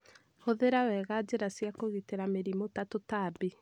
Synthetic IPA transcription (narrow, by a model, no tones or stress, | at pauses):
hoðeɾawɛɣad͡ʒeɾasjakoɣiteɾameɾimotatotaːbi